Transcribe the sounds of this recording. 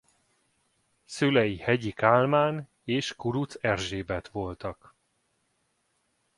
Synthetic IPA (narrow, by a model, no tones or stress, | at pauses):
sylɛjihɛɟikaːlmaːn | eːʃkuɾut̪sɛrʒeːbɛt̪ʋo̞lt̪ɒk